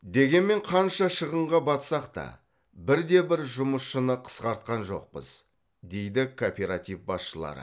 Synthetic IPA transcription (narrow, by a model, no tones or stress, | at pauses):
d̪e̞ɡʲe̞nme̞ɴqʰɑnʃɑʃəʁəɴʁɑbɑt̪sɑqt̪ɑ̰ | bɪɾd̪e̞bɪɾʒʊməsʃənəqʰə̥sqɑɾt̪̚qɑnʒo̞̰q̚pə̰z̥ | d̪e̞jd̪ɪkʰopʲe̞ɾat̪ifbɑsʃəlˠɑ̰ɾə̰